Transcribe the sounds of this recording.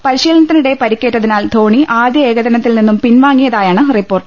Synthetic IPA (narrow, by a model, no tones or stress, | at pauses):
pɐɾiɕiːlnɐt̪ːiniɽe̞pɐɾikʲːe̞ːʈːɐðinaːld̪ʱo̞ːɳiʔaːd̪jɐe̞ːɡɐd̪ɐnɐt̪ːilninːumpinʋaːŋːijɐðaːjaːɳɨripːo̞ːrʈɨ̥